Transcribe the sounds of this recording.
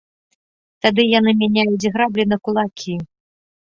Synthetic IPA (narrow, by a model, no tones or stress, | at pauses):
t̪ad̪ɨjanɨmʲanʲajut͡sʲɣɾablʲinɐkulˠakʲʰi